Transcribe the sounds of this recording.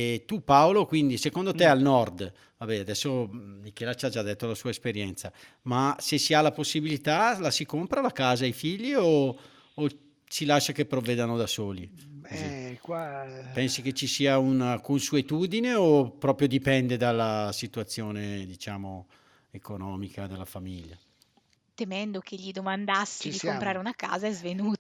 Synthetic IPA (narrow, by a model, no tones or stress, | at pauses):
t̪upaolokwind̪isekond̪ot̪ealnɔrd̪ | vabɛad̪ɛsːomik̟ɛːlat͡ʃad͡ʒad̪ːet̪ːolasuːaespeɾjɛnt̪sa | masesialːaposːibilit̪alasikompɾalakaːzaifiʎːioː | t͡ʃilaʃːakepːɾovːɛːd̪anod̪asoːliozikwapɛnsik̟et͡ʃːisiːaunakonsuet̪uːd̪ineopːɾɔːpɾjod̪ipɛnd̪ed̪alːasit̪uat̪sːjoːned̪it͡ʃaːmo | ekonɔːmikad̪elːafamiʎːa̰ | t̪emɛnd̪okʰeʎːid̪omand̪asːid̪ikompɾaːɾeunaka̰ːzaɛzvenuːt̪a